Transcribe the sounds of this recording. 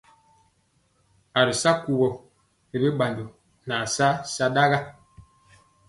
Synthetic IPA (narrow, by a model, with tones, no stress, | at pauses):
a˨ɾi˨sa˦ku˨bɔ˨ | ɾi˦ɓa˨ndo˨ | na˨sa˦sa˦ɗa˦ɣa˦